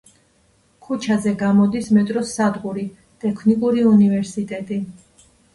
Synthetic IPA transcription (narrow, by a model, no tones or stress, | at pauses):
kʰut͡ʃʰazɛɡamɔd̪ismɛt̪ʼɾɔsad̪qʼuɾi | t̪ʼɛkʰnikʼuɾiunivɛɾsit̪ʼɛt̪ʼi